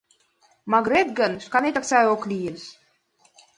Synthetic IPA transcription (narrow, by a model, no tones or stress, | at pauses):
maɡɾet̪̚ɡə̆nʃkɑnet̪aksɑoklijes